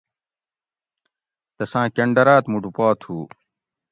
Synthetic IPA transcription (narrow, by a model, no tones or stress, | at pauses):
t̪ɐsãːkɐɳɖɐɾaːt̪muɖupaːt̪ʰuː